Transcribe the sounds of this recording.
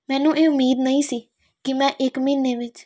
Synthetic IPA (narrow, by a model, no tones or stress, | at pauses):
mɛ̃ːnũːʔeːʊmiːd̪nəĩːsiː | kɪmɛ̃ːʔɪkmiːneːʋɪt͡ʃ